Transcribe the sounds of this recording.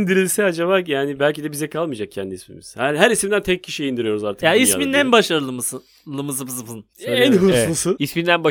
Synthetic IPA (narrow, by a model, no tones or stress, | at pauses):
nd̪iɾilʲsɛad͡ʒaβaːjaːnibælʲcid̪ɛbizɛkʰalˠmɯjd͡ʒak̚cʰɛnd̪iːsmḭmḭz̥hæɾɦæɾisimd̪ænt̪ʰɛc̚cʰiʃijind̪iɾijo̞ɾuzaɾt̪ʰɯjaismind̪ænbaʃaɾɯlˠɯmɯsɯ | lˠɯmɯzɯpzɯpɯn | ɛnɦuslˠusɯismind̪ænba